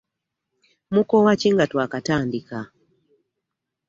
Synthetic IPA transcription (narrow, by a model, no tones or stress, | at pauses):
mukɔwat͡ʃiŋɡatwakataːndika